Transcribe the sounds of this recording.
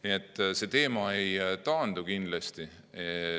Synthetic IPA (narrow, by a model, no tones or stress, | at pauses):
niet̪ːˑse̞t̪e̞ːmɑe̞jt̪ɑːnd̪̥ukind̪̥lest̪i | e